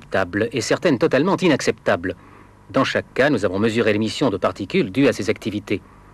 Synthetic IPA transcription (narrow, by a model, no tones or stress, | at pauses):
pt̪ablɛsɛʁt̪ɛnt̪ɔt̪almɑ̃t̪inaksɛpt̪abl | d̪ɑ̃ʃakːanuzavɔ̃məzyʁelemisjɔ̃d̪əpaʁt̪ikʲyld̪yasezakt̪ivit̪e